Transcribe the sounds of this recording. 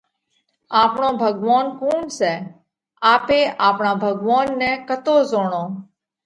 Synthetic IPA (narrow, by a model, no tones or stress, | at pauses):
aːpɳõːbʱəɡʋaːnkuːnsɛː | aːpeːʔaːpɳãːbʱəɡʋaːnːɛ̃ːkət̪oːzoːɳõː